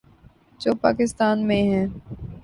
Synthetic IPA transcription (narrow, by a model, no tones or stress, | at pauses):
d͡ʒoːpa̰ːkɪst̪aːnmẽɦɛ̃ː